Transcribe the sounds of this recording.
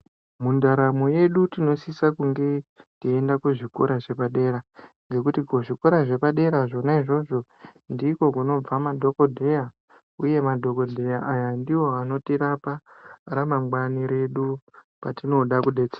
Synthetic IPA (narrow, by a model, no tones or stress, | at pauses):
mundaɾamoje̞ɗutino̞sisakuŋɡe̞tiendakweʐiko̰ɾaʐe̞paɗe̞ːɾaŋɡe̞kutikoʐiko̞ɾaʐe̞paɗe̞ɾaʐo̞naiʐo̞ʐo̞ndiko̞kuno̞b͡vamadʱo̞kodʱe̞ja | uje̞madʱo̞ko̞dʱe̞jaʔajandiwo̞ano̞tiɾaparamaŋɡwaniɾe̞ɗu | patino̞ɗakuɗe̞t͡se̥ːa